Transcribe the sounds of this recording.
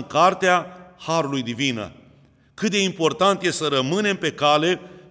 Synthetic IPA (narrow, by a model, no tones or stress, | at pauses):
ŋkart̪eahaɾulujd̪ivinə̰ | kɨt̪̚d̪e̞impo̞rt̪ant̪jessəɾəmɨne̞mpe̞kale̞